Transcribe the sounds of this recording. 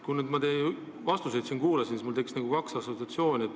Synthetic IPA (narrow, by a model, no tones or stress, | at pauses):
kunyd̪mɑt̪ej | vɑst̪usejd̪sinkuːlɑsinsismult̪ekisnæɡ̥ukɑksɑsot̪ɑt̪sjo̞ːnʲiet̪ː